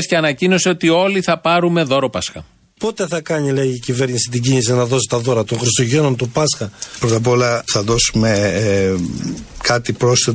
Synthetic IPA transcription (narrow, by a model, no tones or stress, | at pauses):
sceɐnɐcino̞seo̞t̪io̞liθɐpɐɾume̞ðo̞ɾo̞pɐsxɐ̰ | po̞t̪e̞θɐkɐɲileiːcive̞ɾɲisit̪iɟiɲisinɐðo̞si̥t̪ɐðo̞ɾɐt̪o̞ŋxɾist̪oʝe̞no̞nt̪upɐsxɐpɾot̪ɐp̬o̞lɐθɐðo̞sume | kɐt̪ipɾo̞st̪e